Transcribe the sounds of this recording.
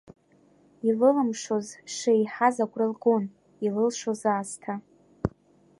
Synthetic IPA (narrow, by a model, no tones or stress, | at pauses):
ilɨlamʂozʂeiħazaɡʷralɡon | ilɨlʂozaːstʰa